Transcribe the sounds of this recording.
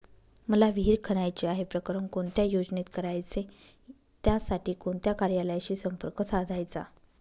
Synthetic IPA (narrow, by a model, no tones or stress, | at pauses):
məlaʋiɦiːɾkʰəɽajt͡ɕeaɦepɾəkɾəmkoɳt̪jajod͡znit̪kəɾajt͡se | t̪jasaʈiːkoɳt̪jakaɾjaləjaɕiːsəmpəɾkəsad̪ʱajt͡sa̰